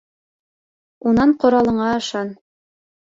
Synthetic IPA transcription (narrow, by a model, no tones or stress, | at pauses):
unɑɴqŏɾɑlˠɤ̆ɴɑɤ̆ʃɑn